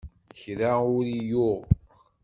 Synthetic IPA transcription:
çɾaʊɾijʊʁ

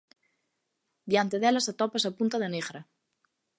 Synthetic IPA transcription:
d̪jant̪eðelasat̪ɔpasapunt̪aðeneɣɾa

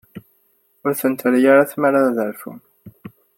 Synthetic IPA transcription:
ʊɾθənt̪ʰəɾjaɾaθmaɾaðəɾfṵm

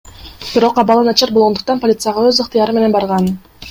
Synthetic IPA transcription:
b̥iɾo̞qɑβɑlˠɯnɑt͡ʃɑɾbolˠʁo̞nd̪ʊ̥q̚t̪ɑnpolʲit̪sɨjɑʁɑøzɯqt̪ɨjɑɾɯme̞ne̞nbɑɾʁɑn

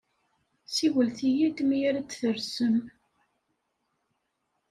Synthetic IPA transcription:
siwəlθijid̪mijæɾæt͡sːθəɾsəm

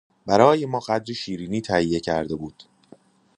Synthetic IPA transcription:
bæɾɒːje̞mɒːɢæd̪ɾiʃiːɾiːniːt̪ʰæhijːe̞cʰæɾd̪ebuːd̪̥

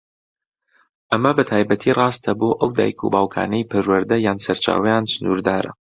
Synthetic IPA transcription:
ʔɐmɐbɐt̪ʰaːjbɐt̪ʰiːrˤɑːst̪ʰɐboːʔɐwd̪a̰ːjkʰṵbaːwkʰa̰ːnɐjpʰɐɾwɐɾd̪ɐjaːnsɐɾt͡ʃʰa̰ːwɐjaːnsɨnṵːɾd̪aːɾɐ̰

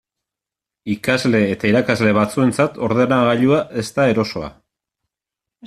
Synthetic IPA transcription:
ikazle̞ːt̪aiɾakazle̞βat͡sue̞nt͡sat̪ʰo̞ɾðenaɣaʎuae̞st̪ae̞ɾo̞so̞a̰

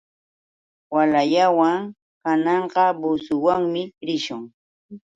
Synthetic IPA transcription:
walajawaŋ | kanɑɴɢɑbʊsʊwaŋmɪɾɪʃʊŋ

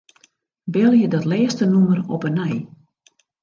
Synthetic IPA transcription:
bɪlˠjədɔtlɛːstənumərɔpənɛj

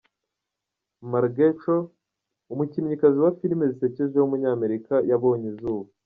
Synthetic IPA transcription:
maɾɡet͡ʃo | umucimɲikaziwafiɾimezise̞ceʒehumuɲaːme̞ɾikajaβo̞ːɲezuːβa

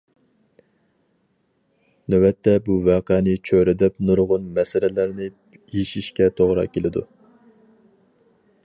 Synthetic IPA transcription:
nɛwɛt̪ʰːɛbuvɑːqɛnɪt͡ʃʰøɾɪd̪ɛp̚nuɾʁʊnmɛsɪlɪlæɾnɪ | eʃiʃkʲɛt̪ʰoʁɾɑ̰kʲelɪd̪ṵ

